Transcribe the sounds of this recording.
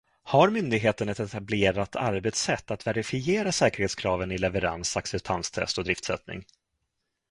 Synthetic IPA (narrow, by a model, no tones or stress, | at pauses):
haɾmʏnd̪ɪɡɦeːt̪ənɛt̪ɛt̪ableːɾat̪ʰaɾbɛt̪sɛt̪ːat̪vɛɾɪfɪeːɾasɛːkəɾheːt̪skʰɾɑːvənɪlɛvəɾa̰nsaksɛp̚t̪ʰanst̪ʰɛ̰st̪ɔd̪ɾɪft̪sɛ̰t̪nɪ̰ŋ